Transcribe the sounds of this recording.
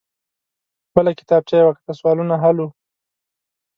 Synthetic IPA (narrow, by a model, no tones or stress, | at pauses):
bəlakɪ̥t̪ɑb̚t͡ʃajawakt̪aswɑlunaɦalu